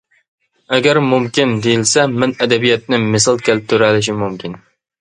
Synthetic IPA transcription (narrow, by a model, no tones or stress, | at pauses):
ɛɡʲæɾmumkʲind̪ejilsɛmɪnɛd̪ɛbijɛt̪̚nɪmɪsɑlˠkʲʰelɪp̚t̪ʰuɾælɪʃ̬imumkʲin